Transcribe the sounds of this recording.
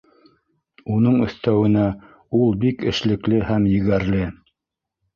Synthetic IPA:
unɤɴɵ̆θt̪æwɘ̆næ | ulˠbikɘ̆ʃlɘ̆klɘhæmjɘ̆ɣæɾlɘ

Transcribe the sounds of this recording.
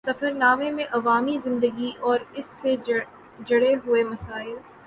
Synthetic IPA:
sɐfəɾnaːmemẽʔɐʋaːmizɪ̃nd̪əɡiʔɔːɾɪsːe | d͡ʒɐɽeɦʊemɐsaːɪl

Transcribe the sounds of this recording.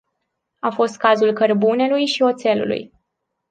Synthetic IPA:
afo̞st̪̚kazulkərbune̞lujʃio̞t̪se̞lṵlṵj

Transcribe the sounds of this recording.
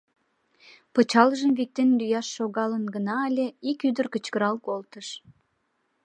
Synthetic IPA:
pət͡ɕɑləʒəmvik̚t̪enlyjɑʃːoɣɑlənɡənɑːlʲeikyd̪ərkət͡ɕkəɾɑlkolt̪əʃ

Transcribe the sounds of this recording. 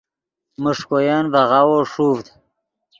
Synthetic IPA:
muʂkojanvaʁawoʂuːvd̪

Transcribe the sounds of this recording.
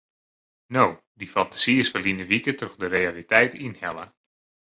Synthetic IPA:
now | difɑntḁsiɪsfəlinəʋikətɔxdərejalitɛjtinhɛlˠə

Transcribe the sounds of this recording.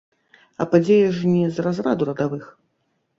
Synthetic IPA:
ɐ̰pad͡zʲejɐʐnʲɛzrazrad̪uɾɐd̪avɨx

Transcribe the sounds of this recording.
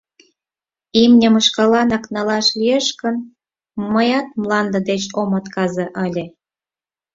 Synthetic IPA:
imnʲəmə̆ʃkɑlɑnɑknɑlɑʃlieʃkən | məjɑt̪̚mlɑnd̪ə̆d̪et͡ɕomɑt̪kɑzeʔəlʲe

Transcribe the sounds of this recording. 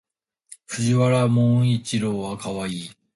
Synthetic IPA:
ɸɯ̟ʑiβaɾamõit͡ɕiɾoːβakaβaiː

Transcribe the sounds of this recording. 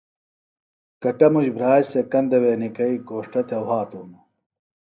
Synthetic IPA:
kɐʈɐmud͡ʑbʱɾaːɕt̪ekɐnd̪ɐweːnikɐiɡoːʂʈɐt̪ʰɐwɦaːt̪uːnu

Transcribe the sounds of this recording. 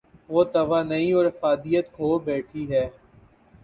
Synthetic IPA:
ʋoːt̪ɐʋaːnɐĩɔːɾɐfaːd̪ijət̪kʰoːbɛːʈʰiɦɛː

